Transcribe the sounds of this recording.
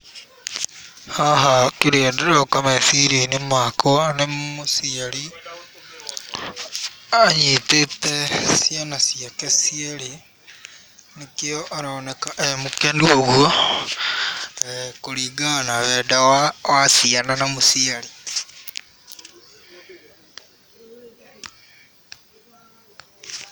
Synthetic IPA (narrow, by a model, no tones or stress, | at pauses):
aɦakiɾedeɾokamesiɾenemakoanemusiali | aɲitetesijanasjakesieli | nikioʔaɾoonekaʔemukenduoɣuo | kuliːɡanaβeːdawawasiananamusiali